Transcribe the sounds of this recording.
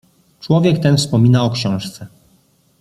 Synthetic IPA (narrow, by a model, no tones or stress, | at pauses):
t͡ʂwɔvʲjɛkt̪ɛnfspɔmʲinaɔkɕɔ̃w̃ʂt̪sɛ